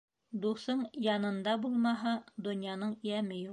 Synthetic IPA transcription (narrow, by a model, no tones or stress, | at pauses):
d̪uθɤɴjɑnɤ̆nd̪ɑbulˠmɑɦɑd̪ŏnjɑnɤɴjæmɘju